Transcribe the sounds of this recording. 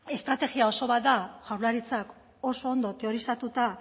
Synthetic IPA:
e̞st̪ɾat̪e̞ɣiao̞so̞βat̪̚d̪aʝawɾlaɾit͡sak | o̞so̞ːnd̪o̞t̪e̞o̞ɾisat̪ut̪a

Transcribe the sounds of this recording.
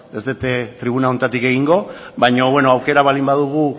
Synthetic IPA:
ezt̪et̪et̪ɾiβ̞unao̞nt̪at̪ike̞ɣiŋɡo̞βajɲo̞βwe̞no̞awke̞ɾaβalimbaðuɣ̞u

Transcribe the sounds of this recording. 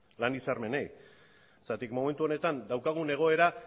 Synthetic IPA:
lanisaɾme̞nej | sat̪ikmo̞me̞nt̪uo̞ne̞t̪and̪awkaɣ̞une̞ɣ̞o̞e̞ɾa

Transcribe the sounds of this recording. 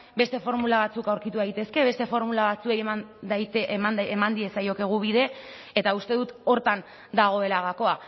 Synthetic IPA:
be̞st̪e̞fo̞ɾmulaβ̞at͡sukawɾkit̪uðajt̪e̞ske̞βe̞st̪e̞fo̞ɾmulaβat͡suejemand̪ajt̪aemand̪ie̞sajo̞ke̞ɣ̞uβiðe̞ | et̪aust̪e̞ðut̪o̞ɾt̪an | d̪aɣ̞o̞e̞laɣako̞a

